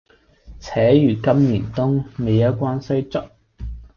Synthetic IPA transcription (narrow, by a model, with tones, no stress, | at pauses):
t͡sʰɛː˨˥jyː˨kɐ˥mniː˨˩nt̪ʊ˥ŋme˨˧jɐ˥wkʷaː˥nsɐ˥jt͡sʊ˥t̚